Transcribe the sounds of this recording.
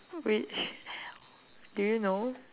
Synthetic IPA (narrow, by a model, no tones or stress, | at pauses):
wi | dujuno